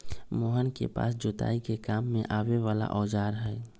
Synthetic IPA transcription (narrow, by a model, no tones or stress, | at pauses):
moːɦənkḛpa̰ːsd͡ʒoːt̪a̰ːikekaːmːẽʔaːweʋaːla̰ʔɔːd͡ʒaːɾɦɛɛ